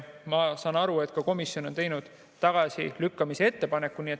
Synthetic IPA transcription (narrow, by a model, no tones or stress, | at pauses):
mɑsɑːnɑɾue̞t̪ˑkɑko̞misjo̞no̞nt̪e̞jnud̪̥ː | ɑɡ̥ɑsḭlykːɑmisee̞t̪ːe̞pɑne̞kːunie̞t̪